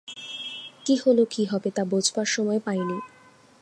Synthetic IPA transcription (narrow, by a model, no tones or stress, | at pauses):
kiholokiɦɔbet̪abod͡ʑʱbaɾʃɔmɔepaeni